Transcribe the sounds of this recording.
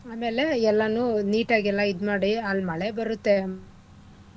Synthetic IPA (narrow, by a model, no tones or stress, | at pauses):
aːme̞ːle̞ɛlːanuniːʈaːɡɛlːaid̪maːɽialmɐɭebɐɾut̪ːe̞